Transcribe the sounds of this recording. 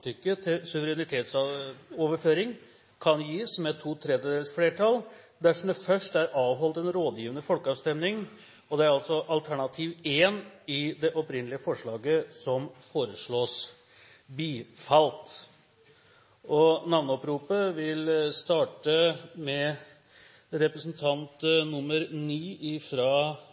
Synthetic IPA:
t̪ʰʏkːət̪ʰɪsʉʋəɾɛnɪt̪ʰeːt̪sɑoːʋəɾføːɾɪŋ | kʰɑnjiːsmɛt̪ʰuːt̪ʰɾɛd̪əd̪eːlsfleːʈʰɑl | d̪æʂɔmd̪ɛfœʂʈæɾɑːʋɦɔlt̪ɛnɾoːd̪jiːʋənəfɔlkəɑːʋst̪ɛmnɪŋ | ɔd̪ɛæɾɑlsɔʔɑlt̪ʰæɳɑt̪ʰiːʋeːnɪd̪ɛʔɔpɾɪnːəlɪəfɔʂɭɑːɡəsɔmfoːɾəʂɭoːs | biːfɑlt̪ | ɔnɑʋnɔpɾuːpəʋɪlst̪ɑːʈəmɛ | ɾɛpɾəsn̩t̪ʰɑnt̪nʊmːəɾniːʔɪfɾɑː

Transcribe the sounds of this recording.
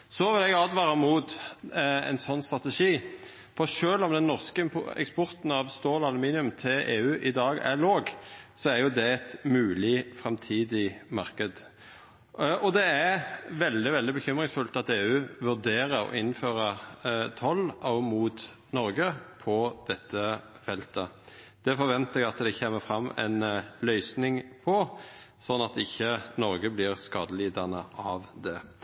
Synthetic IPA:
sɔʋɪlɛɡɑːd̪ʋɑːɾəmuːt̪ | ɛ̰nsɔnːst̪ɾɑt̪ɛʂiː | fɔɾʂøːlɔmd̪ɛnːɔʁskəɛ̰kspɔɾt̪n̩ɑʋst̪oːlɑlʉmiːnɪʉmt̪ʰɪleːʉːʔɪd̪ɑːɡæ̰loːɡsɔæɾjʊd̪ɛɛt̪mʉːlɪfʁɛmt̪ʰiːd̪ɪmɑɾkəd̪ | ɔd̪ɛæʋɛld̪ɪʋɛld̪ɪbəçʏmʁɪŋsfʉlt̪ɑt̪eːʉːʋʉʁd̪eːɾəɾɔ̰ʔɪnføːɾəʁt̪ʰɔlɔmuːt̪ | nɔɾɡəpʰɔd̪̥ɛt̪ʰːə | fɛlt̪ə | d̪̥ɛfɔɾʋɛnt̪ɛɡɑt̪d̪ɛçeːməfɾɑmːɛ̰ɪnlœʏsnɪŋpʰɔ | sɔnːɑt̪ɪçːənɔɾɡəblɪːɾskɑːd̪əliːd̪ɑnəʔɑʋd̪ɛ

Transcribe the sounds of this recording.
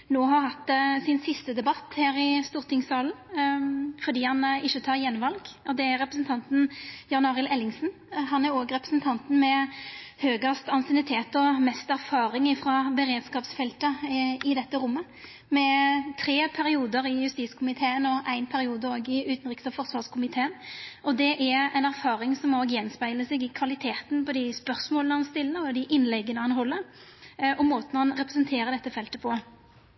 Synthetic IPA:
noːɦɑɾhɑt̪ːsɪnsɪst̪əd̪ɛbɑt̪ːhæːɾɪst̪uːʁt̪ʰɪŋsɑːln | fɔd̪iːhɑnɪçət̪ʰɑːʁjɛnʋɑlɡɔd̪ɛæɾːɛpɾəsn̩t̪ʰɑnt̪n̩jɑnɑːʁɪlɛlːɪŋsn̩ | ɦɑnæɾoːɡɾɛpɾəsnt̪ʰɑnt̪n̩mɛhøːɡɑst̪ɑnsɪnɪt̪ʰeːt̪ɔmɛst̪æɾfɑːɾɪŋɪfɾɑbəɾeːd̪skɑːpsfɛlt̪əɪd̪ɛt̪ːəɾʊmːə | mɛt̪ʰɾeːpʰæɾɪuːd̪əɾɪjʉst̪iːskʰʊmɪt̪ʰeːənɔʔæɪnpʰæɾɪuːd̪əoːɡɪʉːt̪n̩ʁɪkst̪əfɔʁsʋɑːʁskʰʊmɪt̪ʰeːənɔd̪ɛʔææɪnæɾfɑːɾɪŋsɔmoːɡjɛnspæɪləsɛɡɪkʰʋɑlɪt̪ʰeːt̪npɔd̪ɪspœɾsmoːlnəhɑnst̪ɪlːəɔd̪ɪʔɪnlɛɡːənəhɑnɦɔlːə | ɔmoːt̪ənhɑnʁɛpɾɛsənt̪ʰeːɾəd̪ɛt̪ːəfɛlt̪əpʰɔ

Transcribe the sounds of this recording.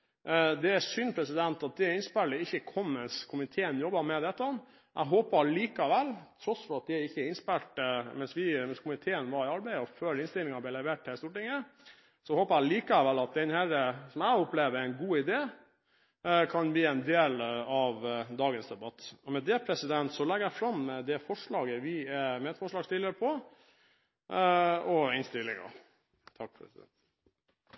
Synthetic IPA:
d̪ɛæsʏnpʰɾɛsɪd̪ɛnt̪ɑt̪̚d̪ɛɛɾɪnspæləɪçːəkʰɔmmɛnskʰʊmɪt̪ʰeːənjɔbːɑmɛd̪ɛt̪ːɑn | ʔæ̰ɡɦoːpəliːkɑʋɛlːt̪ʰɾɔsfɔɾɑt̪̚d̪ɪɛɾɪçːəɪnspɛlʈmɛnsʋɪmɛnskʰʊmɪt̪ʰeːənʋɑɾɪɑɾbæɪəɔføːɾɪnst̪ɪlɪŋɑblɛɪlɛɾʋeːʈhɛst̪uːʈɪŋːə | sɔhoːpəɾæliːkɑæʋɛlɑt̪̚d̪ɛnhæɾəsɔmæɪɔpleːʋəɾæɪnɡuːɪd̪eː | kʰɑnbiːɛɪnd̪eːlɑʋd̪ɑːɡənsd̪ɛbɑt̪ːɔmɛd̪ɛpʰɾɛsɪd̪ɛnt̪sɔlɛɡəɾæɪfɾɑmːɛd̪ɛfɔʂɭɑːɡəʋɪɛmɛɛt̪fɔʂɭɑːɡst̪ɪːləɾəpʰɔ | ɔɪnst̪ɪlːɪ̰ŋɑ̰ | t̪ʰɑkːfɾsɪd̪ɛ̰nt̪

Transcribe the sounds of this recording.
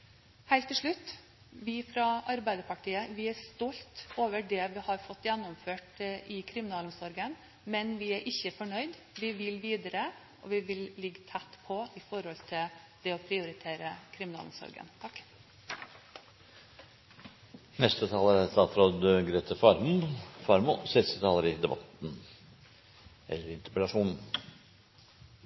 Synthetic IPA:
hæɪlt̪ʰːɪʂɭʉt̪ː | ʋɪfɾɑɑɾbæɪd̪əpʰɑʈʰiːəʋɪæɾst̪ɔlt̪oːʋəɖɛʋɪhɑɾfɔt̪ːjɛnːɔmføːʈʔɪkʰɾɪmɪnɑːlʊmsɔɾɡən | mɛnʋɪæɾʔɪçːəfɔɳœʏd̪ | ʋɪʋɪlʋiːd̪əɾə | ʔɔʋɪʋɪllɪɡːt̪ʰæt̪ːpʰɔɪfɔɾhɔlt̪ʰɪl | d̪̥ɛɔpʰɾɪʊɾɪt̪ʰeːɾəkʰɾɪmɪnɑ̰ːlʊ̰msɔ̰ɾɡə̰nt̪ʰɑk | nɛst̪ət̪ʰɑːləɾæst̪ɑːt̪ɾoːd̪əɡɾeːt̪ʰəfɑɾmufɑɾmʊsɛst̪ət̪ʰɑːləɾɪd̪ɛbɑ̰t̪n̩ | ɛ̰lːəɾɾɪnt̪əɾpɛlɑʂuːnn̩

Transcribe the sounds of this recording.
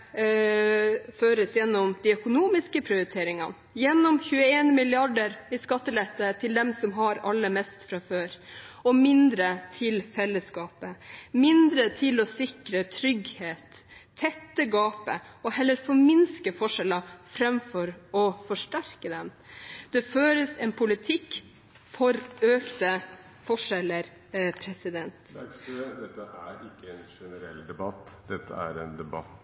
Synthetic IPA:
føːɾəsjɛnːɔmd̪ɪœkʊnuːmɪskəpʰɾɪʊɾɪt̪ʰeːɾɪŋɑ̰n | jɛnːɔmçʉːəeːnmɪlɪɑɖəɾɪskɑt̪ːəlɛt̪ːət̪ʰɪld̪ɛmsɔmɦɑɾɑ̰lːəmɛst̪fɾɑføːɾɔmɪnd̪ɾət̪ʰɪlfɛlːəskɑːpəmɪnd̪ɾət̪ʰɪlɔsɪkɾət̪ʰɾʏɡheːt̪ʰːɛt̪ːəɡɑːpəɔhɛlːəɾfɔɾmɪnskəfɔʂɛlɑfɾɑmfɔɾɔfɔʂʈæɾkəd̪ɛm | d̪̥ɛføːɾəsɛnpʰʊlɪt̪ʰɪkː | fɔɾøːkt̪ə | fɔʂɛləɾ | pʰɾɛsɪd̪ɛnt̪ | d̪ɛt̪ːəʔæɾɪkːəɛnʂɛnəɾɛ̰ld̪ɛbɑt̪ːd̪̥ɛt̪ːə̰æ̰ɾɛnd̪ɛbɑt̪ː

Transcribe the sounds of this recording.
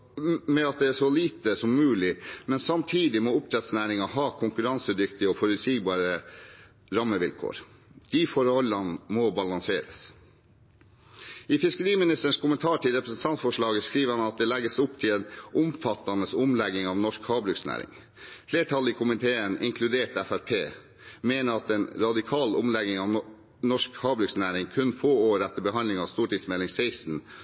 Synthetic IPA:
mɛɑt̪̚d̪ɛæʂɔliːt̪əsɔmːʉːlɪmɛnsɑmt̪ʰiːd̪ɪmɔːʊp̚t̪ʰɾɛt̪snæːɾɪŋɑhɦɑːkʰʊŋkʉɾɑnsəd̪ʏkt̪ɪɔfɔɾʉt̪siːɡbɑːɾə | ɾɑmːəʋɪ̰lkʰo̰ːɾ | d̪̥ifɔɾhɔlɑnmɔbɑlɑŋseːɾə̰s | ɪfɪskəɾiːmɪnɪst̪əɳ̩ʂkʊmənt̪ʰɑːʈʰɪlɾɛpɾəsn̩t̪ʰɑnt̪fɔʂɭɑːɡəskɾiːʋəhɑnɑt̪̚d̪ɛlɛɡːəsʊp̚t̪ʰɪlɛnʔʊmfɑt̪ːɑnəsʊmlɛɡɪŋɑʋnɔʂkhɑːbɾʉksnæ̰ːɾɪ̰ŋ | fleːʈʰɑlɪkʰʊmɪt̪ʰeːənɪ̰ŋkʰlʉd̪eːʈæfæɾpʰeː | meːnəɑt̪ɛːnɾɑd̪ɪkʰɑːlʊ̰mlɛɡɪŋɑːʋ | nɔʂkhɑːbɾʉksnæːɾɪŋkʰʉnfoːoːɾɛt̪ːəbəɦɑndlɪŋɑʋst̪uːʈiːd̪smɛlɪŋseɪst̪n̩

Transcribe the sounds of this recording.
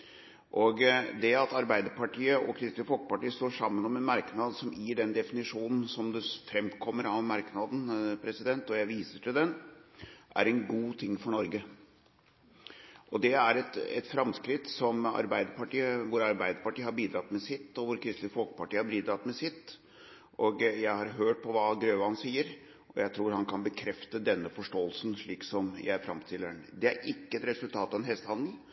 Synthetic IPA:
ʔɔɡd̪ɛɑt̪ɑɾbæɪd̪əɾpʰɑʈʰiːəʔɔ̰kʰɾɪst̪ləfɔlkə̥pɑʈiːəst̪oːʂɑmːənɔmɛnmɑɾknɑd̪sɔmjiːɖɛnd̪ɛfɪnɪʂuːnn̩sɔmd̪ɛfɾɛmkʰɔmːəɾɑʋmɑɾknɑd̪npʰɾɛsɪd̪ɛnt̪ɔjæɪʋiːsəʈʰɪld̪ɛn | ʔæ̰ɾɛnɡuːt̪ʰɪŋːfɔɳɔɾɡə | ʔɔd̪ɛæɾɛt̪ɛ̰t̪fɾɑmskɾɪt̪sɔmɑ̰ɾbæɪd̪əpɑʈiːəʋʊɾɑɾbæɪd̪əpɑʈiːəhɑɾbiːd̪ɾɑt̪ːmɛsɪt̪ːɔʋʊɾkʰɾɪst̪lɪfɔlkə̥pɑʈiːəhɑɾbiːd̪ɾɑt̪mɛsɪt̪ː | ʔɔɡjæɪhɑɾɦøːʈ̚pʰɔʋɑɡɾøːʋəhɑnsiːəɾ | ʔɔjæɪt̪ʰɾuːɾhɑnkʰɑnbəkʰɾɛft̪əd̪ɛnːəfɔʂʈoːəlsn̩ʂɭiːksɔmjæ̰ɪæɾfɾɑmst̪ʰɪlːəɳd̪ɛæɾɪkːəɛt̪ɾɛsʉlt̪ʰɑːt̪ɑʋɛnɦɛst̪hɑnd̪l̩

